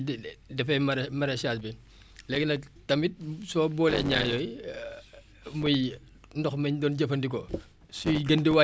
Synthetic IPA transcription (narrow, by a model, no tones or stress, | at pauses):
dɛfɛɐmɐɾɛsaːsbi | lɛɡnɐk̚tɐmit̚sɔːbɔːlɛ̰ɲa̰ːjɔj | muj | ndɔxmɐɲdɔːnɟɐfɐndikɔ | sujɡɐndiwa